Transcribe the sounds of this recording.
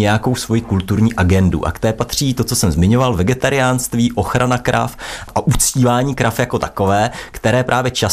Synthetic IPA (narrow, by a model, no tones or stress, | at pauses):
ɛjako̞wsvo̞jikult̪uɾɲiːʔaɡɛndṵʔa̰kt̪ɛːpat̪r̝̥iːt̪o̞t͡so̞sɛmzmɪɲo̞valvɛɡɛt̪aɾɪjaːnst̪viːʔo̞xɾʔanakɾʔa̰fʔaʔut͡sciːvaːɲiːkɾafjako̞t̪ḁko̞vɛːkt̪ɛɾɛːpɾʔaːvjɛt͡ʃa